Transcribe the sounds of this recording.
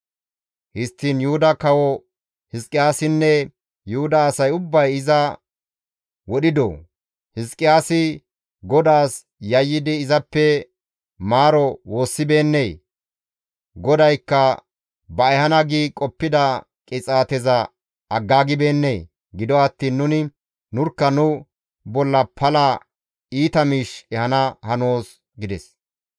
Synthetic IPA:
hɪst̪ːiːnjʊhʊd̪ɐkɐwɔ | hɪskʼɪjaːsɪnːɛ | jʊhʊd̪ɐːsɐjʊbːɐjɪzɐ | wɔɗɪd̪ɔ | hɪskʼːɪjaːsɪ | ɡɔd̪aːs | jɐjːɪd̪ɪːzɐpːɛ | maːɾɔwo̞ːsːɪbe̞ːnːeː | ɡɔd̪ɐjkːɐ | bɐɛhɐnɐɡiːkʼɔpːɪd̪ɐ | kʼɪt͡sʼaːt̪ɛzɐ | ɐɡːaːɡɪbe̞ːnːej | ɡɪd̪ɔɐt̪ːiːnːʊnɪ | nʊɾkːɐnʊ | bɔlːɐpʰɐlɐ | iːt̪ɐmiʃɛhɐnɐhɐnoːs | ɡɪd̪ɛs

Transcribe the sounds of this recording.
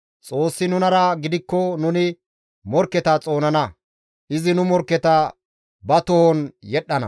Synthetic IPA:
t͡sʼo̞ːsːɪnʊnɐɾɐɡɪd̪ɪkːɔnʊnɪ | mɔɾkːɛt̪ɐt͡sʼo̞ːnɐnɐ | ʔɪzɪnʊmɔɾkːɛt̪ɐ | bɐt̪ɔhɔnjɛɗːɐnɐ̰

